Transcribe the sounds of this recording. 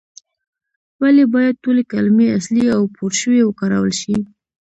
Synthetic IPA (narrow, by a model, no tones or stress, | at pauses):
walebɑjad̪̚tolekalmeasliawpʰoɾʃəwewəkɑɾa̰wəlʃi